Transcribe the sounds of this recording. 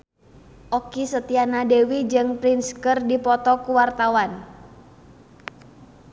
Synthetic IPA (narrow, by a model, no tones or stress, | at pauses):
ʔɔkisət̪ianadewid͡ʒɨŋpɾinskərdipɔt̪ɔkuwart̪awan